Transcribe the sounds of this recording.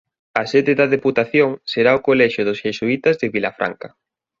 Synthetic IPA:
ɐsɛðeðɐðeput̪aθjoŋseɾaokolɛʃʊðʊsʃesuit̪azðɪβilafɾʔa̰ŋka

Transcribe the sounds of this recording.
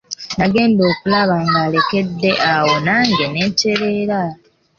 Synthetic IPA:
naɡe̞ːndo̞ːkulaβaːŋɡaːle̞ke̞dːe̞ʔawo̞naːŋɡe̞ne̞ːnte̞ɾe̞ːɾa

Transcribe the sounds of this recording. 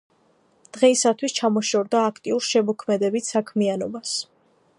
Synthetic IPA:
d̪̥ʁɛisat̪ʰwist͡ʃʰamɔʃɔɾd̪aːkʰt̪ʼiuɾʃɛmɔkʰmɛd̪ɛbissakʰmianɔbas

